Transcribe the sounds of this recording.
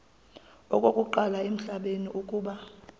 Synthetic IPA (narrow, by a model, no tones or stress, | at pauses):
ɔkʼokʼuǃalaem̩ɬaɓeniʔukʼuːɓa